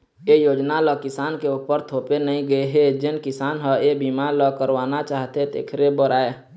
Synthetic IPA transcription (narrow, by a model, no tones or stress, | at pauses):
ejoːd͡ʒnaləkɪsaːnkeupəɾt̪ʰoːpenəɦĩɡəeɦed͡ʒɪnkɪsaːnɦəebimaləkəɾwaːnat͡ʃaːɦt̪et̪ḛːkʰɾebəɾaːe